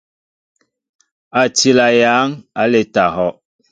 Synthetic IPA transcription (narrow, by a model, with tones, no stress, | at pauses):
a˨ti˦la˨ja˨˦ŋa˨le˨ta˨ɦɔ˦